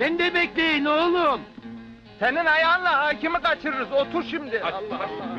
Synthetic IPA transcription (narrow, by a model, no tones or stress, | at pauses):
bɛnd̪ɛbɛclʲejinolˠun | seninhajanlˠahaːcimikat͡ʃʰɯɾɯɾɯzot̪ʰuɾʃimd̪ɪ